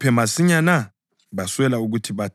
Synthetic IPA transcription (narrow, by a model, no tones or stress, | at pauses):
pʰɛmasiɲana | βaswɛlauɣ̬utʰiβa